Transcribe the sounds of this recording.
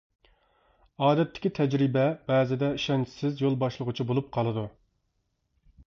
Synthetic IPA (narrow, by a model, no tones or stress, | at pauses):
ɑːd̪ɛt̪ʰːɪ̥kʲit̪ʰɛd͡ʒɾibɛb̥ɛːzɪd̪ɛiʃɛnt͡ʃʰɪ̥sɪzjolˠbɑʃlˠəʁʊt͡ʃʰibolˠup̚qʰɑlˠɨd̪u